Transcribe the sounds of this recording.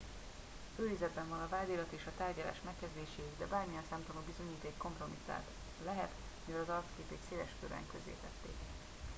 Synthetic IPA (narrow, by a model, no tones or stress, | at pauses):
øːizɛd̪bɛɱvɒnɒvaːd̪iːlɒt̪eːʃɒt̪aːrɟɒla̰ːʃmɛkːɛzd̪eːʃeːd̪ɛbaːrmijɛnsaːmt̪omobizo̞ɲiːt̪eːkːo̞mpro̞mit̪ːa̰ːt̪ | lɛɦɛt̪ | mivɛlɒzɒrkskeːp̪eːk̪seːlɛʃkøɾɛ̰ŋkøzḛːt̪ɛt̪ːḛːk